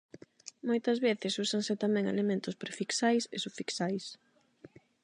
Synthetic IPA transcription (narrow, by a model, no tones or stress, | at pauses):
mojt̪ɐzβeθɪsusaŋsɪt̪amɛ̃ŋḛlemẽnt̪ʊspɾefiksajsḛsufiksajs